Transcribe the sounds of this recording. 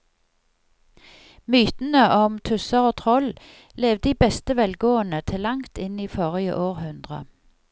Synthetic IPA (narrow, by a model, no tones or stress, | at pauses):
myːt̪n̩əʔɔmt̪ʰʉsəʁoːt̪ʰʁɔl | leːʋd̪iːbɛst̪əʋɛlɡoːənət̪ʰɪlɑŋt̪ɪniːfoːʁɪə̰ʔoːʁhʉnd̪ʁə̰